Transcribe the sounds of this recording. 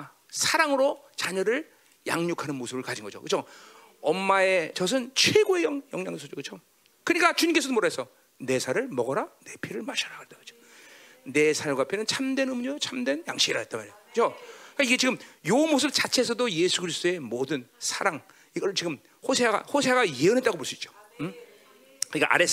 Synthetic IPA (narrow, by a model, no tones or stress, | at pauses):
sʰaɾaŋɯɾot͡ɕaɲʌɾɯɭ | ja̰ŋɲokʰanɯnmosʰɯbɯɭkad͡ʑinɡʌd͡ʑo̰kɯt͡ɕʰo | ʌmːae̞t͡ɕʌs̬ʰɯnt͡ɕʰweɡoe̞jʌŋjʌŋɲaŋosʰʌd͡ʑokɯt͡ɕʰo | kɯɲik͈at͡ɕuɲiŋkesʰʌdomoɾaɦesʰʌ | ne̞sʰaɾɯɭmʌɡʌɾane̞pʰiɾɯɭmaɕʰaɾakɯɾed̥ad͡ʑo̥ | ne̞sʰaɡapʰjenɯnt͡ɕʰamdwe̞nɯmɲʌt͡ɕʰamdwe̞nja̰ŋɕʰiɡiɾa̰et͈amaɾekɯt͡ɕʰokaiɡe̞t͡ɕiɡɯmjomos̬ʰɯp̚t͡ɕat͡ɕʰes̬ʰʌdojesʰuɡɯɾisɯ̥t͈oe̞modɯnsʰaɾaŋ | iɡʌɾɯɭt͡ɕiɡɯm | hosʰeaɡa̰hosʰeaɣajeʌnɦe̞t͈aɡopoɭs͈uit̚t͡ɕ͈o̥m | kɯɲik͈a̰ʔa̰ɾes